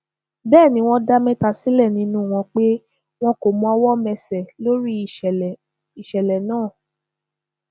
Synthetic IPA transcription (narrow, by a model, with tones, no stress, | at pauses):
bɛː˦˨nĩ˧˦w̃ɔ̃˦da˦mɛ̃˦ta˧si˨˦lɛ˦˨nĩ˧˦nũ˦˨w̃ɔ̃˧k͡pe˦ | w̃ɔ̃˦ko˨mũ˧˦a˧wɔ˦mɛ̃˧sɛ˨lo˦ɾi˦˨ | i˨ʃɛ˨lɛ˨nãː˦˨